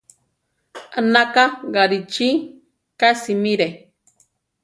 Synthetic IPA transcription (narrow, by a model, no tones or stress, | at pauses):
anakaɡaɾit͡ʃi | kasimiɾe